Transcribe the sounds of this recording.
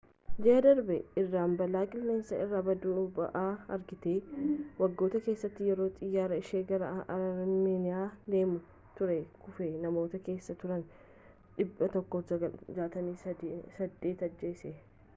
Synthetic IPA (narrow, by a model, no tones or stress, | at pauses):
d͡ʒɛʔɐd̪ɐɾbɛɪrːaːmbɐlaːkʼɪlne̞ːnsɐʔɪrːaːbɐd̪uːbɐ̰ʔaːɐɾɡɪt̪eːwɐɡːo̞ːt̪ɐke̞ːsːɐt̪ːɪjɛɾo̞ːt̪ʼɪjːaːɾɐɪʃeːɡɐɾɐʔɐɐɾmeːnɪaːd̪e̞ːmʊ | t̪ʊɾɛkʊfenɐmo̞ːt̪ɐke̞ːsːɐt̪ʊɾɐn | ᶑɪbːɐt̪ɔkːoːɐɐd͡ʒaːt̪ɐnisɐd̪ːe̞ːt̪ɐd͡ʒːeːsɛ